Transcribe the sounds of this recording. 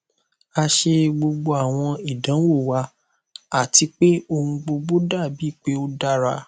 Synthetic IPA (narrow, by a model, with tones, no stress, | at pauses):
a˧ʃe˧ɡ͡bo˧ɡ͡bo˧a˦˨w̃ɔ̃˧i˨dã˨˦wo˦˨wa˧ | a˦˨ti˧k͡pe˦o˧hũ˧ɡ͡bo˧ɡ͡bo˦da˦˨bi˨˦i˦˨k͡pe˦o˦da˦ɾa˧